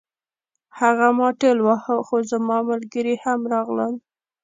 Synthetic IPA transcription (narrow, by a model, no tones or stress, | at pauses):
haɣamɑʈelwahəxozamɑməlɡəɾihamɾɑɣləl